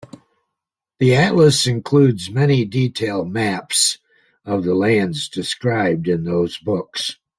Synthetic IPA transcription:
ðiæʔˡləsɨ̃nkʰl̥ʉdzmɛniditʰeɪl̚ˠmæps | ʌvðəlæ̃ndzdɨskɹaɪb̚dɨ̃nðoʊzbʊks

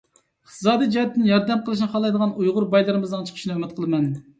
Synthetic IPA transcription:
ɪχt̪ʰɨ̥sɑːd̪ijd͡ʒɑhɛt̪ʰːɪnjɑɾd̪ɛmqəlˠɨʃ̬nɨχɑlˠɑjd̪əʁɑnujʁʊɾbɑjlˠɨɾɨmɨznɨŋt͡ʃʰə̥qʰə̥ʃnɨømɛt̪̚qʰəlˠɨmɛn

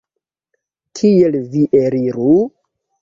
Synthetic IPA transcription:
kʰielviʔeɾiɾu

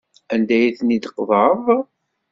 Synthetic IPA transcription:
ænd̪æjiθnid̪qðˤəɾəðˤ

